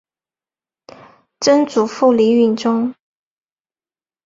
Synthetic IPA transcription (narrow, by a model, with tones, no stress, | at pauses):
ʈ͡ʂə˥nt͡su˨˩fu˥˩li˧˥y˥˩nʈ͡ʂʊ˥ŋ